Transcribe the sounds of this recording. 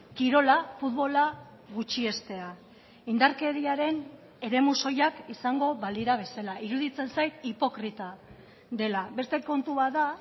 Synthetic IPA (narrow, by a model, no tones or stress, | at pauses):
kiɾo̞lafut̪βo̞la | ɣut͡ʃie̞st̪e̞a | ind̪aɾke̞ðiaɾe̞n | e̞ɾe̞muso̞jakisaŋɡo̞βald̪iɾaβ̞e̞salaʔiɾuðit͡se̞nsajt̪ipo̞kɾit̪a | ðe̞laβe̞st̪e̞ko̞nt̪uβaða